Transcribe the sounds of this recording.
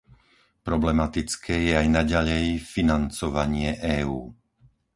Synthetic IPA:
pɾɔblɛmat̪it͡skʰɛːjɛajnaɟaʎɛjfinant͡sɔʋaɲɪɛʔɛːuː

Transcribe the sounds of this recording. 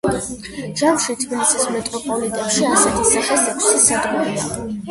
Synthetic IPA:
ʒamʃit̪ʰvɛnsʰismɛt̪ʼɔpʼɔlit̪ʼɛpʃiasɛt̪ʰisaχɛsɛt̪ʰissad̪ɡuɾa

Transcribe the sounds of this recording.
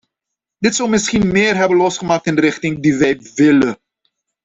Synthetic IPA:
dɪtsɔwmɪsχinmɪːrɦɛbənlɔsχəmaːk̚tɪnəɾɪχtɪŋdiʋɛjʋɪlə

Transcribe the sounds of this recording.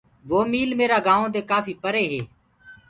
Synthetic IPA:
ʋoːmiːlmeːɾaːɡãːõːt̪eːkaːfiːpəɾeːɦeː

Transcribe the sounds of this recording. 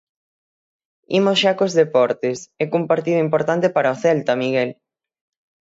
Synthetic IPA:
imosʃakozðepɔɾt̪esɛkumpaɾt̪iðʊimpoɾt̪ant̪epaɾaoθɛlt̪ɐmiɣɛl

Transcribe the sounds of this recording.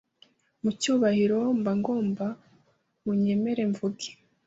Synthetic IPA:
mucuːβahiɾo̞mbaŋɡo̞ːmba | muɲe̞me̞ɾe̞ɱvuɡi̥

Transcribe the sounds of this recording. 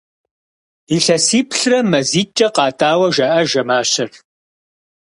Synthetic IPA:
iɬɐsiːpʰɬrɐmɐziːt͡ʃʼɐqɑːtʰaːwɐʒɐʔɐʒɐmaːɕɪr

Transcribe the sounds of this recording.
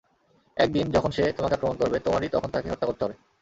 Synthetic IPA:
ɛk̚d̪ind͡ʑɔkʰonʃet̪omakepɾomonkoɾbet̪omaɾit̪ɔ̰kʰont̪akḛɔt̪ːakoɾt̪eɦɔbe

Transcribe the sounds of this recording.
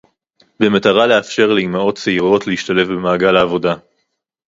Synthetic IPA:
be̞mataʁale̞afʃe̞ʁlejmao̞tt͡seiʁo̞tleiʃtale̞fbemaːɡalaːvo̞da

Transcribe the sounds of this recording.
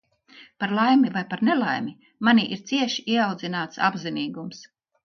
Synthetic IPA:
paɾlˠajmivajpaɾnelˠajmi | maniʔiɾt̪siɛʃiiɛawd̪zinaːt̪sa̰bziniːɡums

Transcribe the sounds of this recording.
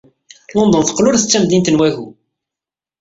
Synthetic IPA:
lond̪ˤənθə̥qːlʊɾθət͡sːæmd̪int̪ənwæʝu

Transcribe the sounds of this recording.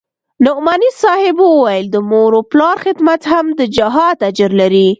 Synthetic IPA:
nʊmanisɑhɪbəwwajld̪əmoɾoplɑɾxɪd̪mat̪hamd̪əd͡ʒaɦɑd̪ad͡ʒəɾlaɾi

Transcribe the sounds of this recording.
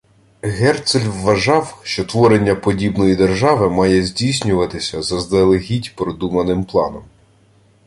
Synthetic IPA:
ɣɛrt̪sɛlʲʋːɐʒɑwʃt͡ʃɔt̪ʋɔɾenʲːɐpɔdʲibnɔjid̪erʒɑʋɪmɑjɛzʲdʲijsʲnʲʊʋɐt̪ɪsʲɐzɐzd̪ɛlˠeɦʲidʲpɾɔd̪umɐnɪmplˠɑ̰nɔm

